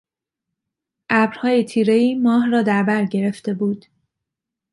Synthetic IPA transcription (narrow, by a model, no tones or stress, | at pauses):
ʔæbɾhɒːjet̪ʰiːɾe̞iːmɒːɦrɒːd̪æɾbæɾɟe̞ɾe̞ft̪e̞buːd̪̥